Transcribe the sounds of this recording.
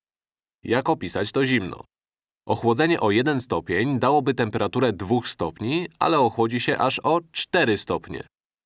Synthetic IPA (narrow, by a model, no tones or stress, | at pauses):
jakɔpʲisat͡ɕt̪ɔʑimnɔ̰ | ʔɔxwɔd̪zɛɲɛʔɔjɛd̪ɛnst̪ɔpʲjeɲd̪awɔbɘt̪ɛmpɛɾat̪uɾɛd̪vuxst̪ɔpɲia̰lɛɔxwɔd͡ʑiɕɛʔaʂɔt͡ʂt̪ɛɾɘst̪ɔpɲɛ̰